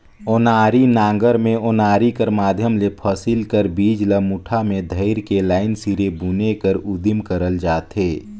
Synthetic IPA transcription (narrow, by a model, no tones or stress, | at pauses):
oːnaːɾinãːŋɡəɾmẽoːnaːɾikəɾmaːd̪ʱjəmlepʰəsilkəɾbiːd͡ʒləmuʈʰamẽd̪ʱəɪɾkelaːɪnsiɾebunekəɾʊd̪imkəɾəld͡ʒaːt̪ɦeː